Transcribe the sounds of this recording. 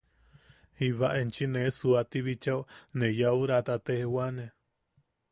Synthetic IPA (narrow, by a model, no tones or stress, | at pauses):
hiβaʔent͡ʃinesuat̪iβit͡ʃawnẽjauɾat̪at̪ehewane